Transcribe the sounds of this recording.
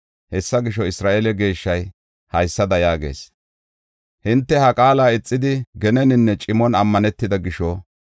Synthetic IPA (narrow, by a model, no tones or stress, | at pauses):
hɛsːɐɡɪʃɔɪsɾaːʔelɛɡe̞ːʃːɐj | hɐjsːɐd̪ɐjaːɡe̞̰ːs | hɪnt̪ːɛhɐkʼaːlaːɪt͡sʼːɪd̪ɪɡɛnɛnɪnːɛt͡ʃʼɪmɔnɐmːɐnɛt̪ːɪd̪ɐɡɪʃɔ